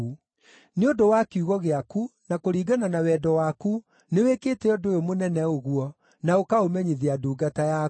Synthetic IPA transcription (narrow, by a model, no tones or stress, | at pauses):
u | neodowakeuɣɔɣeakunakoɾiːɡananawɛːdɔwaku | neweːkeːtɛɔdojomonɛnɛoɣuɔ | naokaomɛɲiðiaduːɡataja